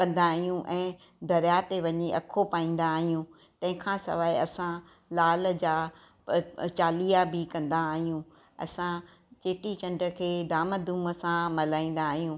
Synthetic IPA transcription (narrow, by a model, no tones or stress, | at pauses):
kɐ̃nd̪aːɦijũʔɛ̃ː | d̪ʱɐɾjat̪eʋɐɲeʔɐkʰːopaːĩːn̆d̪aːɦijũ | t̪ɐ̃ɦɪ̃kʰãsɐ̰ʋaːeɐsã | laːld͡ʑaː | t͡ɕaːliːabɪkɐ̃nd̪aːɦijũ | ɐ̰sã | t͡ɕeːʈit͡ɕɐ̃ɳɖɾə̆kʰeːd̪aːməd̪ʱuːməsãmɐlaːĩːn̆d̪aːɦijũ